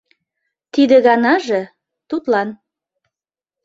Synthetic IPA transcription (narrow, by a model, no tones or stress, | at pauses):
t̪id̪ĕɣɑnɑʒe | t̪ut̪lɑn